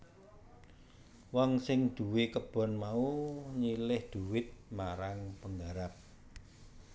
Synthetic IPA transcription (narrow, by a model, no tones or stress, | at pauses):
wɔŋsɪŋd̪̥ṳwekəb̥ɔ̤nmauɲilɪhd̪̥uwɪt̪̚maɾaŋpəŋɡaɾap̚